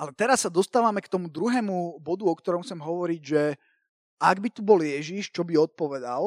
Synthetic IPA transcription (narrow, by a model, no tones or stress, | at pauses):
ʔalɛt̪ɛɾasːad̪ɔst̪aːʋamɛkt̪ɔmud̪ɾuɦɛːmubɔd̪uɔkt̪ɔɾɔmxt͡sɛmɦɔʋɔɾiɟʒɛ | aɡbit̪ubɔljɛʒiʃt͡ʃɔbiɔt̪̚pɔʋɛd̪al